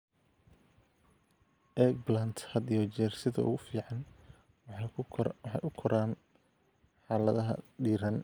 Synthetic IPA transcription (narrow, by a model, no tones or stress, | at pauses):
ʔɛbland̪hɐd̪ɪjɔt͡ʃɛːrsɪðɐ̰ʊ̰ɣʊfiːʕɑn | wħɑ̰jʔʊkʰɔɾaːn | ħɑːlɐðɐɦɐ̰ɖiːɾɐn